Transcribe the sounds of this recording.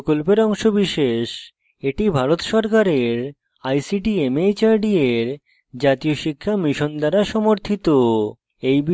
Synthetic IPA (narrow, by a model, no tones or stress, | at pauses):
kolpeɾɔŋʃobiʃeʃ | eʈibʱaɾot̪ʃɔɾkaɾeɾ | ajsiʈiemejt͡ɕaɾɖieɾ | d͡ʑat̪ioʃikʰːamiʃond̪aɾaʃɔmoɾt̪ʰit̪o | ejbi